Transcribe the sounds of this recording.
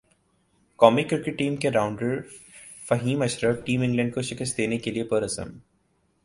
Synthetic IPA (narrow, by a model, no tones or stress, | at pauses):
kɔːmikɾɪɾkɪʈːiːmkeɾaːʊ̃ɳɖəɾ | fɐɦiːmɐʃɾəʋʈiːmɪ̃ŋɡlə̃ɳɖ̚koʃɪkəst̪̚d̪eːnekeliepəɾɐsə̰̃m